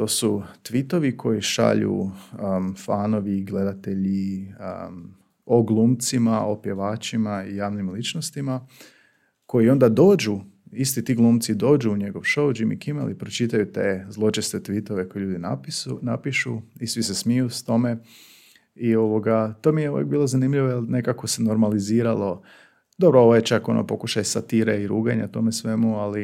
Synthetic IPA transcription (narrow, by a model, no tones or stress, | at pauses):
t̪o̞ːsut̪ʋit̪o̞ʋikʰo̞jiʃa̰ʎṵ | faːno̞ʋiɡle̞d̪at̪e̞ʎḭ | o̞ɡlˠuːmt̪simaopje̞ʋaːt͡ʃimaijaːʋnimlit͡ʃnost̪ima | ko̞jio̞nd̪ad̪o̞ːd͡ʒuis̬t̪it̪iːɡlˠuːmt̪sid̪o̞ːd͡ʒuːɲe̞ɡo̞ʋʃo̞wd͡ʒimḭkimḛlipɾot͡ʃit̪ajut̪ezlˠo̞t͡ʃest̪et̪ʋit̪o̞ʋe̞ko̞jeʎuːd̪inapnapiʃuisʋise̞smijust̪o̞me̞ | io̞ʋo̞ɡat̪o̞mieujḛk̚biːlˠozanimʎiʋojelnekako̞se̞noɾmaliziːɾalo̞ | d̪obɾooʋojet͡ʃako̞nʔo̰po̞kuʃajsat̪iːɾeiɾuːɡaɲat̪o̞mesʋe̞muali